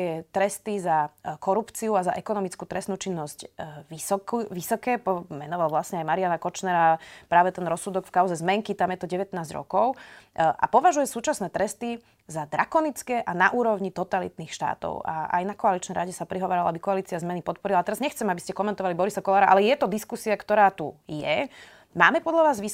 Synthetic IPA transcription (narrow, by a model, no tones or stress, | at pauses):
jɛt̪ɾɛst̪izakɔɾupt͡siuaza̰ʔɛkɔnɔmit͡skuːt̪ɾɛst̪nuːt͡ʃinːɔzcʋisɔkʋisɔkɛːpɔmɛnɔʋalʋlasɲɛajmaɾianakɔt͡ʃnɛɾapɾaːʋɛt̪ɛnɾɔsːud̪ɔkfkaʊzɛzmɛŋkit̪amjɛt̪ɔɟɛʋɛt̪naːzɟɾɔ̰kɔʊʔa̰pɔʋaʒujɛsuːt͡ʃasnɛːt̪ɾɛst̪i | zad̪ɾakɔnit͡skɛːʔanaʔuːɾɔʊɲit̪ɔt̪alḭt̪niːxʃt̪a̰ːt̪ɔ̰ʊa̰a̰jnakɔalit͡ʃnɛjɾaɟɛsapɾiɦɔʋaːɾalabikɔaliːt͡siazmɛnipɔt̪̚pɔɾilat̪ɛɾazɲɛxt͡sɛmabiscɛkɔmɛnt̪ɔʋalibɔɾisakɔlaːɾaʔa̰lɛjɛt̪ɔd̪iskusiakt̪ɔɾaːt̪ujɛ | maːmɛpɔd̪ʎaʋaːzʋi